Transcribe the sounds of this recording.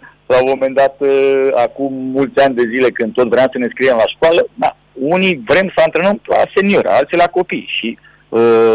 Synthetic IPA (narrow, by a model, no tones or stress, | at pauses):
laomo̞me̞nd̪at̪əakumːult̪sʲanʲd̪e̞zile̞kɨnd̪t̪ot̪vɾeamsəne̞skɾijemlaʃkwaləd̪a̰ | univɾe̞msəant̪ɾenəmla̰se̞nioɾa̰alt̪silako̞pijʃi | ə